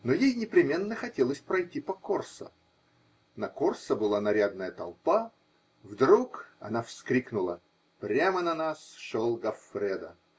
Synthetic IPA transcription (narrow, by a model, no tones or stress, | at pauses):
nojejnʲɪpɾʲɪmʲe̞nːəxɐtʲelˠəsʲpɾɐjtʲːipɐkorsə̰ | nɐkorsəbɨlˠanɐɾʲad̪nəjət̪ɐ̰lˠpa | vd̪ɾukɐ̰nafskɾʲiknʊlˠə | pɾʲamənɐnasʂolˠɡɐfɾʲɛd̪ə̰